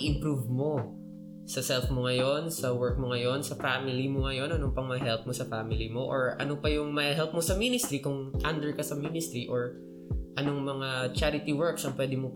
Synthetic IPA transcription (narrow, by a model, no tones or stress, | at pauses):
ʔɪ̃mpɾuvmo̞ | sɐsɛlfmoŋɐjo̞nsɐwɛɹk̚moŋɐjo̞nsɐfamɪlimoŋɐjo̞nɐnoŋpɐŋmɐɦɛlp̚mosɐfamɪlimoʔoɹʔɐ̰nopɐjʊŋmɐhɦɛlp̚mosɐminɪst̪ɾikʊŋt̪and̪ɛɹkɐsɐminɪst̪ɾiʔoɹ | ʔɐno̞ŋmɐŋat͡ʃaɾɪt̪iwɛɹksɐŋpwɛd̪ɪmo